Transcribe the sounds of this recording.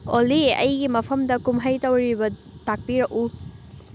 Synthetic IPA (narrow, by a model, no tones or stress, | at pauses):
oliɐ̰jɡimɐpʰɐmdɐkumɦɐjtɐwɾibɐtak̚piɾɐku